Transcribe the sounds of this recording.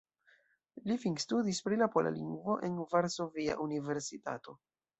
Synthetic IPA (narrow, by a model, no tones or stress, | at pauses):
lifiŋstudispɾilapolo̰liŋɡvo̞ʔe̞nvaɾso̞via̰ʔunive̞ɾsita̰to̞